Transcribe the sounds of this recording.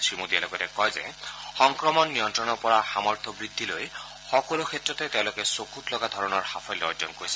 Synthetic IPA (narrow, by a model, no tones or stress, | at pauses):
sɹimud̪ialɔɡɔtɛkɔjzɛ̰xɔŋkɹɔmɔnːijɔntɹɔnɔɹpɔɹaxamɔɹt̪ʰɔbɹid̪ʱːiloj | xɔkɔlukʰetɹɔt̪ɛteʊ̃lokɛsokutlɔɡad̪ʱɔɹɔnɔɹhapʰɔjlɔ̰ɹd͡ʒɔ̰nkoɹisɛ̥